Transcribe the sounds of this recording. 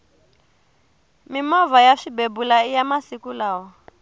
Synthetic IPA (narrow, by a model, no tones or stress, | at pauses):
mimɔvajaʂibebulaijamasikulaːwɔ